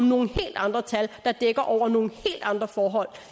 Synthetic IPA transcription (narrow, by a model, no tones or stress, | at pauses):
ɒmno̝ːn̩he̝̰ːld̥ɑ̈nd̥ʁɐt͡sʰæld̥ɑ̈d̥eɡ̥ɐʔɒʊ̰ɐno̝ːn̩he̝̰ːld̥ɑ̈nd̥ʁɐfɒːɦɒ̽l̰